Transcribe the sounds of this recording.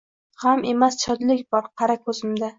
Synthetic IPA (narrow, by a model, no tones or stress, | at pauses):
hamʔe̞mast͡ʃʰɒd̪lɪkʲbɒɾqʰɑɾakʰɵzɪmd̪a